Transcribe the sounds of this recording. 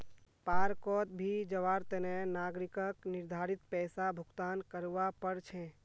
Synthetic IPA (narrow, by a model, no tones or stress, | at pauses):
paːɾkɔːt̪̚bʱid͡ʒəʋaːɾt̪ɛnɛnaːɡɾɪkəknɪɾd̪ʱaːɾɪt̪̚pɛːsabʱʊkt̪aːnkəɾʋapəɾt͡ʃʰɛ̃